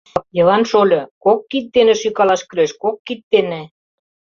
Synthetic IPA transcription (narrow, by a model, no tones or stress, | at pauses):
jɤlɑnʃolʲɤ̆kokːit̪̚ːenĕʃykɑlɑʃkø̆leʃkokːit̪ːenĕ